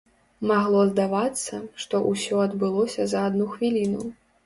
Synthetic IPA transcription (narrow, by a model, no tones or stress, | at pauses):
maɣlˠɔzd̪avat̪sːɐʂt̪ɔʔusʲɔɐd̪bɨlˠɔsʲɐzɐad̪nuxvʲilʲinu